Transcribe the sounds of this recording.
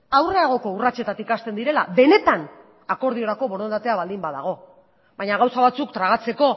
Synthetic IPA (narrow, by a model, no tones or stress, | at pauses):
awre̞aɣ̞o̞ko̞urat͡ʃe̞t̪at̪ikast̪e̞nd̪iɾe̞la̰be̞ne̞t̪an | ako̞ɾðio̞ɾako̞βo̞ɾond̪at̪e̞aβald̪imbaða̰ɣ̞o̞ | bajɲaɣawsaβat͡sukt̪ɾaɣat͡se̞ko̞